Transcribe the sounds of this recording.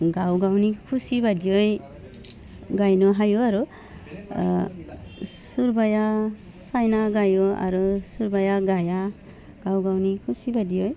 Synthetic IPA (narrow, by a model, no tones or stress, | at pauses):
ɡawɡawnikʰusibadijɔj | ɡajnɔɦajuaɾu | suɾbaja | sajnaɡajua̰ɾusuɾbajaɡaja | ɡ̥awɡawnikʰusibadijɔj